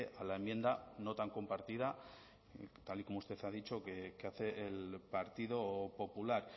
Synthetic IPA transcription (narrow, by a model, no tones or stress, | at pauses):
eʔalaemjend̪ano̞t̪aŋko̞mpaɾt̪iða | t̪aliko̞moust̪e̞θað̞it͡ʃo̞kekeaθe̞ʔːlpaɾt̪iðo̞po̞pulaɾ